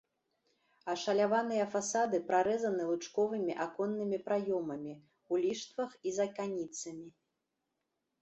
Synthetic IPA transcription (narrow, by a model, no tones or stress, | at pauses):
ɐʂɐlʲavanɨjɐfasad̪ɨpɾaɾɛzɐnɨlˠɨt͡ʂkɔvɨmʲiʔakɔnːɨmʲipɾajɔmɐmʲi | ulʲiʂt̪vɐxizɐkanʲit̪sɐmʲi